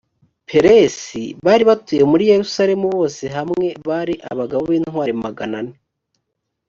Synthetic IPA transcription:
pʰe̞ɾesiβaːɾiβatuje̞muɾije̞ɾusaɾe̞muβo̞ːse̞ɦamŋe̞βaːɾiʔa̰βaɡaβoβiːnhwaːɾimaɡanane

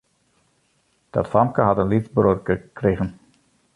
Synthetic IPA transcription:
d̥ɑ̰tfɑmkəɦɑtənlitzbrorəkreɣən

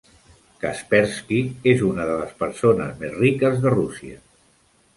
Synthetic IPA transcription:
kaspɛɾskiezunəðələspəɾsonəzmezrikəzðərusiə̰

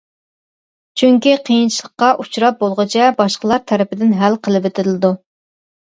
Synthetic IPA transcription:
t͡ʃʰyŋkʲiqʰijint͡ʃʰilˠəqːɑʔut͡ʃɾɑp̚bolˠʁət͡ʃʰɛbɑʃqəlˠɑɾt̪ʰɛɾɪpɪd̪ɪnɦælqʰəlˠɨpɪt̪ʰɪɾlɪd̪u

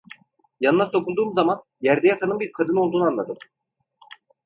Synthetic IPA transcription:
janɯnaso̞kʰulˠd̪uːmzaman | jæɾd̪ɛjat̪ʰanɯmbiɾkʰad̪ɯnolˠd̪uːnuanlˠad̪ɯm

